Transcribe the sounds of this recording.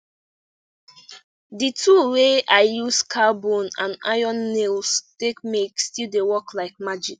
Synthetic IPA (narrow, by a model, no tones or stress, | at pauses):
ditʰuweʔaɪjuskʰabõnã̰na̰ɪɔ̃nːelstekmekstildewɔklaɪk̚mad͡ʒik